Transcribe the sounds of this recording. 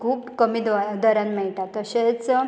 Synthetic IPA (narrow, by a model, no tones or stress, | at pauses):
kʰuːpkəmid̪d̪əɾãnmɛɭʈat̪əɕet͡s